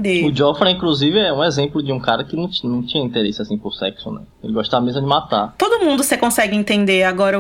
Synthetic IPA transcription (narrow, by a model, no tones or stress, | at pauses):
d̪eʊd͡ʒɔfɾɐ̃ĩkluzivɪɛũezẽplʊd͡ʒɪũkaɾɐkɪnɐ̃w̃nɐ̃w̃t͡ʃĩɲɐĩnt̪eɾesɪasĩpʊɾsɛksʊnɛ | elɪɡɔʃt̪avɐmezmɐd͡ʒɪmat̪at̪od̪ʊmũnd̪ʊsekõsɛɡɪẽt̪ẽnd̪eaɡɔɾɐ